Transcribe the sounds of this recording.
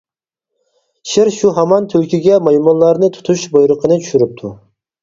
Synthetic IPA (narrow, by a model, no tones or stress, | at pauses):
ʃiɪɾʃuɦɑmɑnt̪ʰylkʲʰiɡʲɛmɑjmɔnˠlːˠɑɾnɨt̪ʰu̥t̪ʰuʃbojɾəqʰənɨt͡ʃʰyʃyɾyp̚t̪ʰu